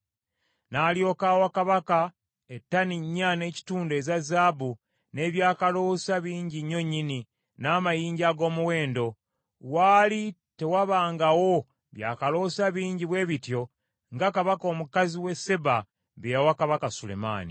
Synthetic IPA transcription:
naːljo̞ːkaːwakaβaka | etːaniɲːane̞ːci̥tuːnde̞ːzazaːbu | ne̞ːβjaːkalo̞saβiːɲɟiɲːo̞ɲːini | naːmajiːɲɟaɡo̞ːmuwe̞ːndo̞ | waːlite̞waβaːŋɡawo̞ | βja̰ːkalo̞ːsaβiːɲɟiβwe̞ːβitjo̞ | ŋɡakaβako̞ːmukaziwe̞se̞ba | βeɾawakaβakasule̞̰ma̰ːnḭ

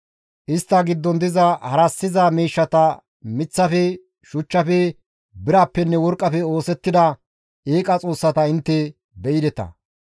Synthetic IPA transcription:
ʔɪst̪ːɐɡɪd̪ːɔnd̪ɪzɐhɐɾɐsːɪzamiːʃːɐt̪ɐ | mɪt͡sːɐfɛ | ʃʊt͡ʃːɐfɛ | bɪɾaːpːɛnːɛwɔɾkʼːɐfɛo̞ːsɛt̪ːɪd̪ɐ | eːkʼɐt͡sʼo̞ːsːɐt̪ɐɪnt̪ːɛ | bɛjɪd̪ɛt̪ɐ̰

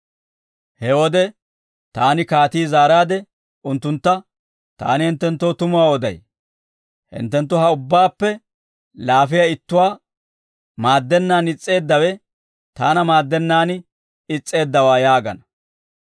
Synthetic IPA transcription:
hɛwɔd̪ɛ | t̪aːnɪkaːt̪iːzaːɾaːd̪ɛ | ʊnt̪ːʊnt̪ːɐ | t̪a̰ːnɪhɪnt̪ːɛnt̪ːoːt̪ʊmʊwaːwɔd̪ɐ̰j | hɪ̰nt̪ːɛnt̪̬ːʊɦɐʊbːaːpːɛ | laːfɪjaɪt̪ːʊwaː | maːd̪ːɛnːaːnɪt͡sʼːe̞ːd̪ːɐwɛ | t̪aːnɐmaːd̪ːɛnːaːn | ɪt͡sʼːe̞ːd̪ːɐwaːjaːɡɐnɐ

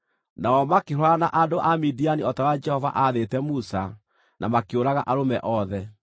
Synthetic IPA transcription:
naɔmakeɦwanaʔadoʔamidianiɔtawad͡ʒɛhɔva̰ʔaðetɛmusa | nʔamakeoɾaɣaʔaɾomɛʔɔðɛ

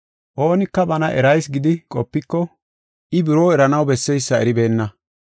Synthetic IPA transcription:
ʔo̞ːnɪkːɐbɐnɐʔɛɾɐjsɡɪd̪ɪkʼɔpːɪkːɔ | ʔɪbɪɾoːɛɾɐnɐwbɛsːɛjsːɐɛɾɪbe̞ːnːɐ

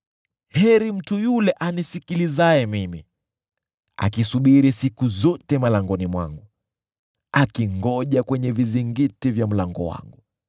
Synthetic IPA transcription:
hɛɾim̩tujulɛʔanisikilizaɛmimḭ | a̰kisuɓiɾisikuzɔtɛmalaŋɡɔnimwa̰ŋɡu | akiŋɡɔʄakwɛɲɛviziŋɡitivjam̩laŋɡɔ̰wa̰ŋɡu

